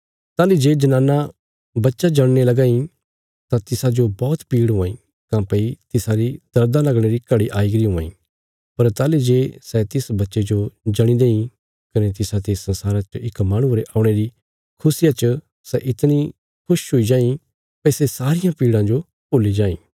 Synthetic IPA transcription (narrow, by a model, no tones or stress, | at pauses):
t̪aːlid͡ʒeːd͡ʒɐnãːna | bɐtːʃad͡ʒɐɽ̃nelɐɡãːĩ | t̪ãt̪ɪsad͡ʒobɔːt̪piːɽɦʊ̃ãːĩ | kãpɐit̪ɪsaɾid̪̥ɐɾd̪ãlɐɡɽ̃eɾikɐɽiʔaːiɡɾiɦʊ̃ã̰ːĩː | pɐɾt̪aːlid͡ʒeːsɛt̪ɪsbɐtːʃed͡ʒod͡ʒɐɽ̃ĩd̪eːĩ | kɐnet̪ɪsat̪esɐ̃nsaːɾat͡ʃɪkmaːɽ̃ʊ̃ɾeʔaːʊɽ̃eɾi | kʰʊsɪjat͡ʃə | sɛʔɪt̪ni | kʰʊʃɦoid͡ʒãːĩ | pɐisesaːɾɪjãpiːɽãd͡ʒo | poːlid͡ʒaːḭ̃ː